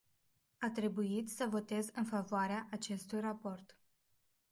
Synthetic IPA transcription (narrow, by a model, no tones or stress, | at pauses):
at̪ɾe̞buit̪səvo̞t̪e̞zɨnfavoaɾeaʔat͡ʃe̞st̪ujrapo̞rt̪